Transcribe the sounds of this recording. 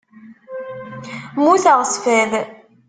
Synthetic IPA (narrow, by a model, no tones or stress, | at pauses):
muθəʁsfæð